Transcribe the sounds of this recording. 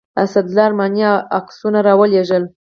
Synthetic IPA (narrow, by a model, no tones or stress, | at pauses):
asad̪lɑɾmɑnjɑaksunaɾɑwəleʒəl